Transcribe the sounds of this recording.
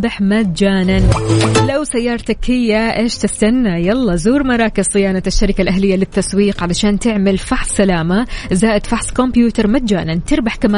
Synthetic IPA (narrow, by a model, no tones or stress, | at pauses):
b̪ˤɪħmat̪d͡ʒaːnanlawsajːɑːɾˤt̪akːɪjːaʔeːʃt̪ɪst̪anːajalˤːɑːzuːɾmɑɾˤɑːkɪzsˤɪjaːnaaʃːaɾɪkalʔaɦlɪjːalɪt̪ːaswiːqʕalaʃaːnt̪ɪʕmɪlfaħsˤːalaːmazaːʔɪd̪faħsˤkombjuːt̪ɑɾˤmat̪̚d͡ʒa̰ːnant̪ɪɾbaħkamaː